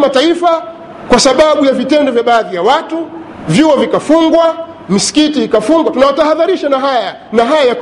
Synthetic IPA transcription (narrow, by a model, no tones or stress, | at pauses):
mataifa | kwasaɓaɓujavitɛndɔvjaɓaːðijawatu | vjuɔvikafuŋɡwa | misi̥kitiːkafuŋɡwatunawataɦaðaɾiʃanaɦaja | naɦajajak